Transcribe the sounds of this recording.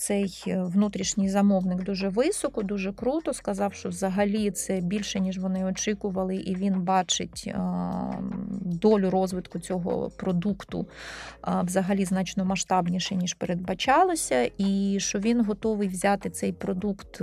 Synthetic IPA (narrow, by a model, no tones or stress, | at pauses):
t̪sɛjʋnut̪ɾʲiʃnʲɪjzɐmɔʋnɪkd̪uʒɛʋɪsɔkɔd̪uʒɛkɾut̪ɔskɐzɑwʃt͡ʃɔʋzɐɦɐlʲit̪sɛbʲilʲʃɛnʲiʒʋɔnɪɔt͡ʃɪkʊʋɐlˠɪʔiʋʲinbɑt͡ʃɪ̰tʲ | d̪ɔlʲʊɾɔzʋɪt̪kʊt͡sʲɔɦɔ̰pɾɔd̪ukt̪ʊ̰ | ʋzɐɦɐlʲiznɑt͡ʃnɔmɐʃt̪ɑbnʲiʃɛnʲiʃpeɾed̪̚bɐt͡ʃɑlˠosʲɐʔiʃt͡ʃɔʋʲinɦɔt̪ɔʋɪjʋzʲɑt̪ɪt̪sɛjpɾɔd̪ukt̪